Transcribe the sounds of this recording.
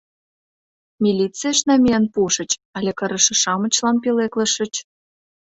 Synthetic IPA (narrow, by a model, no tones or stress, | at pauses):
mʲilʲit͡siəʃnɑmʲijɑnpuʃə̆t͡ɕɑlʲekə̆ɾə̆ʃɤ̆ʃɑmə̆t͡ɕlɑnpileklə̆ʃə̆t͡ɕ